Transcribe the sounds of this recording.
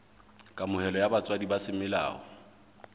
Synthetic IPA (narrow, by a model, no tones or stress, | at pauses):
kʼamʊhɛlɔjabat͡sʼwadibasɪmɪla̰ːhɔ